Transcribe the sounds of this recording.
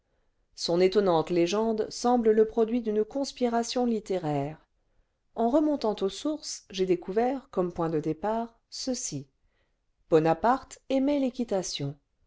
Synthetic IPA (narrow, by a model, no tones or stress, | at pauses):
sɔ̃net̪ɔnɑ̃t̪leʒɑ̃d̪sɑ̃blələpχɔd̪ɥid̪ynkɔ̃spiʁasjɔ̃lit̪eʁɛːʁ | ɑ̃ʁəmɔ̃t̪ɑ̃t̪osuʁsʒed̪ekuvɛʁkɔmpwɛ̃d̪əd̪epaːʁ | səsi | b̥ɔnapaʁt̪ɛmɛlekʲit̪asjɔ̃